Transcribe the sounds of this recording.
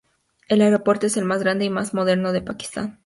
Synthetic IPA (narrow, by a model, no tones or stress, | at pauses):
e̞laeɾopo̞ɾt̪oese̞lmazɣɾand̪e̞imazmo̞ð̞e̞ɾno̞ðe̞paki̥st̪a̰n